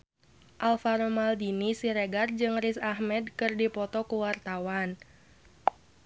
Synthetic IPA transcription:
ʔalfaɾomaldinisiɾeɡard͡ʒɨŋrisahmɛdkɨrdipɔt̪ɔkuwart̪awan

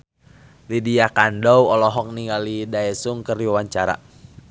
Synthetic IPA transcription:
lidiakandɔwɔlɔɦɔk̚niŋɡalidaɛsuŋkəriwawaɲt͡ʃaɾa̰

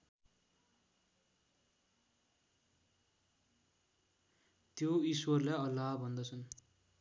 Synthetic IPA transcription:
t̪joiswʌrlaʌlːaɦbʱʌnd̪ʌt͡sʰʌn

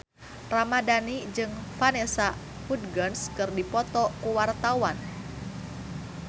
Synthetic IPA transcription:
ramadanid͡ʒɨŋfanesa | pud̚ɡɔnskɨrdipɔt̪ɔkuwart̪awan

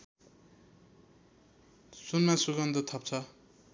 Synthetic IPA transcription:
sunmasuɡʌnd̪ʌt̪ʰʌp̚t͡sʰʌ

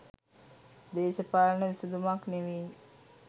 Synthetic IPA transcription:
d̪eːʃəpaːlənəʋisud̪umakneʋiː

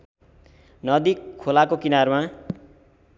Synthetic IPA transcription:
nʌd̪ikʰːolakokinarma

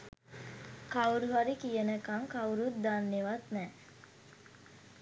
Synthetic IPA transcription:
kawuɾuɦaɾikijənəkaŋkauɾut̪̚d̪anːeʋat̪nɛː

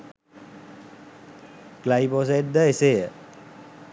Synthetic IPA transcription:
klaipos̬eʈ̚d̪əeseə

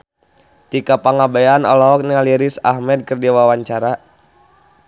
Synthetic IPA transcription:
t̪ikapaŋabajanɔ̰lɔɦɔk̚nialiɾisa̰hmɛd̪̚kɨrdiwawaɲt͡ʃaɾa

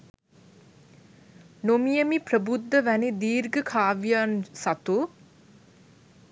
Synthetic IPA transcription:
nomijəmiprəbud̪ːəʋænid̪iːɾɡəkʰaːʋjansat̪u

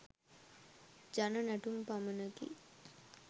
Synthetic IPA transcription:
d͡ʒanənæʈumpamənəkḭ

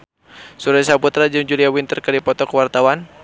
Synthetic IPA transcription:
suɾajsaput̪ɾad͡ʒumd͡ʒuliawint̪ərkadipɔt̪ɔkwart̪awan

